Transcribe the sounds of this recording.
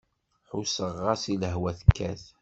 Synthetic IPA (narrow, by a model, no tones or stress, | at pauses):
ħusəʁːɑsiləɦwæθə̥kːæ̰θ